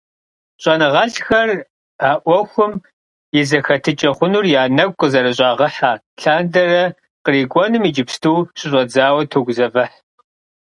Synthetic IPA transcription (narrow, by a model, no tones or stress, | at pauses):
ɕʼɐnɨʁɐɬxɐr | aːʔʷɔxʷʊm | jɪzɐxɐtʰɨt͡ʃʼɐχʷʊnurjaːnɐkʷʼqʼəzɐɾɨɕ̬ʼaːʁɐħaː | ɬaːndɐrɐ | qəriːɡʷʼɔnɨmiːd͡ʒɪpstʰuːɕʼɪɕʷʼɐd͡zaːwɐtʰoːɡʷzɐvɐħ